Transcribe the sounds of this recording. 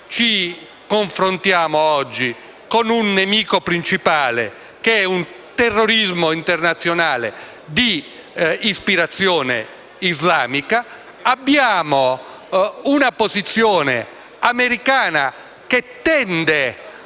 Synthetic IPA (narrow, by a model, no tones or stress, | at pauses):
t͡ʃi | koɱfɾont̪jaːmoɔd͡ʒːi | konunːemiːkopɾint͡ʃipaːlḛ | keɛun | t̪erːoɾizmoint̪ɛrnat̪sːjonaːlḛ | d̪iː | spiɾat̪sːjɔːnḛ | izlaːmikaː | bːjaːmo | unapozit̪sːjɔːnḛ | ameɾikaːna | ket̪ːɛnd̪ɛ